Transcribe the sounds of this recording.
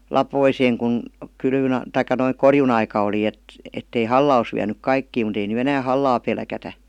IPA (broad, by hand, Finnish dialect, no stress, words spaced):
lɑpoiseːŋ kun kylʋyn tɑikˑɑ noiŋ korjunɑikɑ oli et etːei hɑlːɑ os ʋiænyk kɑikːiː mut ei ny enæː hɑlːɑː pelkætæ